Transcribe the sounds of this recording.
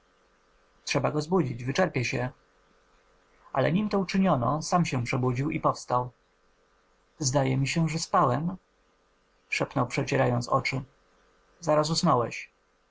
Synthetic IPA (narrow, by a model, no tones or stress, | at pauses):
tʂɛbaɡɔzbud͡ʑid͡ʑvɘt͡ʂɛɾpʲjɛɕɛ | a̰lɛ̰ɲimt̪ɔut͡ʂɘɲɔnɔ̰samɕɛ̃pʂɛbud͡ʑiwipɔfst̪aw | zd̪ajɛmʲiɕɛʐɛspawɛm | ʂɛpnɔwpʂɛt͡ɕɛɾajɔnt̪sɔ̰t͡ʂɘ | zaɾasusnɔwɛ̰ɕ